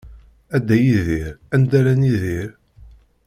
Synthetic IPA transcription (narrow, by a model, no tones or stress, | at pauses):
æd̪ːæjiðiɾænd̪æɾæniðiɾ